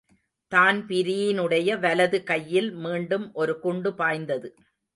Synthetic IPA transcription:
t̪aːnpɪɾɪjɪnɯɽɐjɐʋɐlɐðɯkɐjːɪlmiːɳɖɯmʔɔɾɯkʊɳɖɯpaːjnd̪ɐðɯ

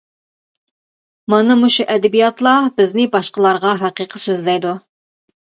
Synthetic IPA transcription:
mɑnɨmuʃuʔɛd̪ɛbijɑt̪lˠɑbɪznɪbɑʃqəlˠɑɾʁɑɦæqiqʰəsøzlɛjd̪u

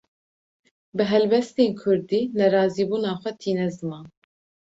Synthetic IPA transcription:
bɨɦɛlbɛst̪eːnkʰʊɾd̪iːnɛɾɑːziːbuːnɑːxʷɛt̪ʰiːnɛzɨmɑːn

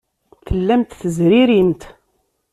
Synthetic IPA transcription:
θəlːæmt̪θəzɾiɾint̪

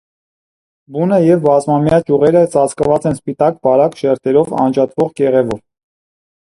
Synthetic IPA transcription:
bunəjɛvbɑzmɑmjɑd͡ʒuʁɛɾət͡sɑt͡sʰkəvɑt͡sɛnspit̪ɑk̚bɑɾɑkʃɛɾt̪ʰɛɾɔvɑ̰nd͡ʒɑt̪vɔʁɡɛʁɛvɔv

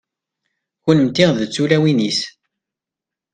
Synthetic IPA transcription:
çunəmt̪iʁðət͡sːulæwinis

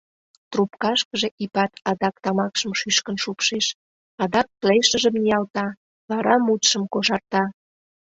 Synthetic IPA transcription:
t̪rupkɑʃkəʒe̽ʔipɑt̪ɑd̪ɑkt̪ɑmɑkʃəmʃyʃkənʃupʃeʃ | ɑd̪ɑk̚pleʃəʒəmnijɑlt̪ɑ | βɑɾɑmut̪ʃəmkoʃɑrt̪ɑ

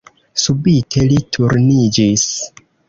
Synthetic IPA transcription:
subitʰe̞litʰuɾnid͡ʒis

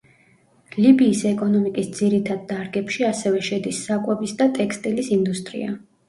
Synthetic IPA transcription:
libiːsɛkʼɔnɔmikʼisd̪ziɾit̪ʰad̪̚ːaɾɡɛpʃiasɛvɛʃɛd̪isːakʼwɛbisd̪at̪ʼɛkʰst̪ʼilisind̪ust̪ʼɾḭa̰

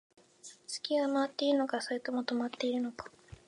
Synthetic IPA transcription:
t͡sɨ̥kʲiɡamaat̪ːe̞iɾɯno̞kasoet̪omo̞t̪o̞mat̪ːe̞iɾɯ̟no̞kḁ

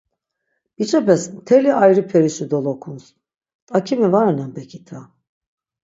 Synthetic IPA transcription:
b̥it͡ʃʰʼɛpɛst̪ʰɛliajɾɯpʰɛɾiʃid̪olˠɔkʰuns | t̪ʼakʰimivaɾanambɛkʰit̪ʰa

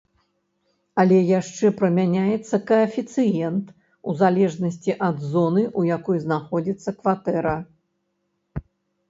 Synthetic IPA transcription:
ɐlʲɛjaʂt͡ʂɛpɾɐmʲanʲajɛt̪sːɐkɐːfʲit̪sɨjɛnt̪ | uzalʲɛʐnɐsʲt͡sʲiʔɐd̪zɔnɨʔujakɔjznaxɔd͡zʲit̪sːɐkvat̪ɛɾɐ

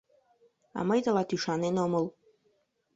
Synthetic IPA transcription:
ɑ̰mɤjd̪əlɑt̪yʃɑnenomɤlˠ

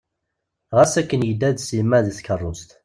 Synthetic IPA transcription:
ʁasækːənjəd̪ːæðsimːæðiθkərˤːʊst̪

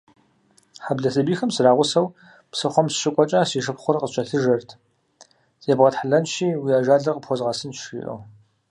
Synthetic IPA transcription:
ħabɮɐsɐbiːxɐmsɨraːʁʷʊsɐw | psɨχʷɔmsɕʼɪkʷʼɔt͡ʃʼɐsiːʂɨpχʷʊrqʼəɕʼɐɬɨʒɐrtʰ | zʼeːbʁɐtħaɮɐnʃiːwiːaːʒaːɮɐrqʼəpxʷɔzʁɑsɨnʃḭːʔɐ̰w

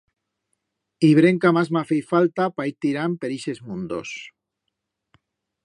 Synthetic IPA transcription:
iβ̞ɾeŋkamazmafejfalt̪apajt̪iɾampeɾiʃezmũnd̪o̰s

